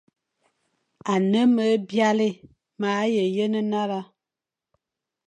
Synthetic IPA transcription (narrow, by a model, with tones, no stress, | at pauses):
a˨nə˦mə˦bja˦le˦˨ | maː˨˦jə˨jə˦nə˦na˦ɾa˦